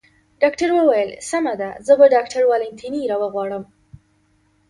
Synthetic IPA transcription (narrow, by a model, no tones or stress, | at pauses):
ɖɑkʈaɾwəwajəlsamad̪azəbaɖɑk̚ʈʰaɾwɑlɪnt̪ʰiniɾɑwəɣwɑɽəm